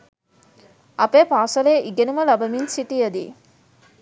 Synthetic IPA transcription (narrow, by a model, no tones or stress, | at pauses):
ɐpeːpaːsɐleːʔiɡenuməlɐbɐminsiʈijəd̪ḭ